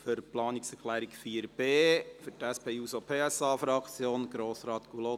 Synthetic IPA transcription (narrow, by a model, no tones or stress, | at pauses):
føɾplɑːniksɛɾkχlæːɾikfiːəɾb̥eːfytæspʰeːuːsopʰeːɛsɑːfɾɑkt͡sjoːnɡ̥ɾoːsɾɑːt̪ɡ̥ulo